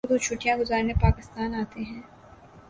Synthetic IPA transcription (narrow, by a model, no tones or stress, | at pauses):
d̪ut͡ʃʰʊːʈijãɡʊzaːɾnepaːkɪst̪aːnaːt̪eɦɛ̃ː